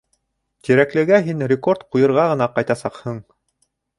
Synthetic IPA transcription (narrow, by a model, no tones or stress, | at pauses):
t̪iɾæklɘ̆ɡæɦinɾʲɪko̞rt̪qujɤ̆ɾʁɑʁɤ̆nɑqɑjt̪ɑsɑqhɤɴ